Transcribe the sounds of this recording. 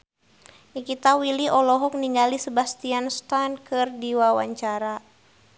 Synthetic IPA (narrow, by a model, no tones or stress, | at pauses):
nikit̪awiliʔɔlɔɦɔk̚niŋɡalisəbast̪ianst̪ankɨrdiwawa̰ɲt͡ʃaɾa